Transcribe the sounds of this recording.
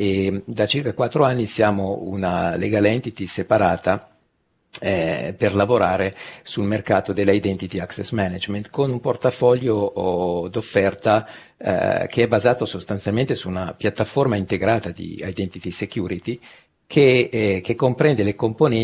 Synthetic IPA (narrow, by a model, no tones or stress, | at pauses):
ed̪at͡ʃirkakwat̪ːɾoanːisjaːmoṵnaleɡaːleɛnt̪it̪isepaɾaːt̪a | perlavoɾaːɾesulmerkaːt̪od̪elːaid̪ɛnt̪it̪iaksɛsmɛnad͡ʒment̪konumport̪afɔʎːo | d̪ofːɛrt̪a̰ | k̟ʰeɛbːazaːt̪osost̪ant̪sjalment̪esuːnapjat̪ːaformaint̪eɡɾaːt̪ad̪ḭa̰jd̪ɛnt̪it̪isekjuːɾit̪i | kʰekekːompɾɛnd̪elekomponɛ